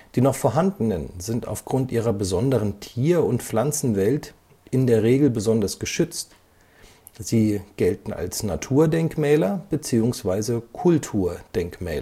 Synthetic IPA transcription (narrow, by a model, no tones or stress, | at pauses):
d̥iːnɔχfoːɐɦandn̩ənzɪnta̰ʊfɡ̥ʁʊntʔiːʁɐbəzɔndəʁəntʰiːɐʊntflant͡sn̩vɛlt | ʔɪndeːɐʁeːɡl̩bəzɔndɐsɡ̥əʃʏt͡st | z̥iːɡ̥ɛltn̩a̰lsnatʰuːɐdɛŋkmɛːlɐb̥ət͡siːʊŋsv̥aɪzəkʰʊltʰuːɐd̥ɛŋkmɛ̰ːlɐ